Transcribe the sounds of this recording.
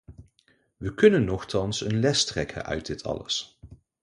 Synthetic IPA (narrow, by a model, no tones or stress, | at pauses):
ʋəkɵnənːɔχtɑnsənlɛstrɛkʰə̰nʔœ̰ɥt̚dɪtʰɑ̰lə̰s